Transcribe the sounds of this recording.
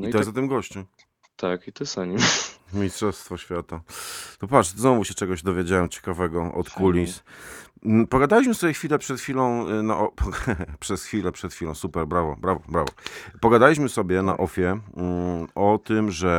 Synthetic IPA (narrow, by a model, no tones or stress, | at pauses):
it̪ɔjɛzat̪ɨmɡɔɕt͡ɕu | t̪ʰakit̪ɨsaɲimmʲistʂɔfst̪fɔɕfʲjat̪at̪ɔpvat̪znɔvuɕɛt͡ʂɛɡɔʑd̪ɔvʲjed͡ʑawɛmt͡ɕɛ̥kavɛɡɔɔ̰t̪kʰulʲis | n̩pɔɡad̪alʲiɕmɘsɔbʲjɛxfʲilɛpʂɛt̪xfʲilɔ̃w̃naʔɔpʰpʂɛsxfʲilɛpʂɛt̪xʲilɔ̃w̃supɛɾbɾavɔbɾavɔbɾavɔ̰pɔɡad̪alʲiɕmɘsɔbʲjɛna̰ʔɔfʲjɛ | ɔt̪ɘmʐɛ